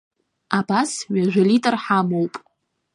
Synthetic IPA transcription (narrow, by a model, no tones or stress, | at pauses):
abasɥaʒᶣʷalitʼɨrħamowpʼ